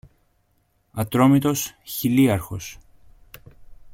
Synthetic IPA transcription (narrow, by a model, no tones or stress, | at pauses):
ɐt̪ɾo̞mit̪o̞sçiliɐɾxo̞s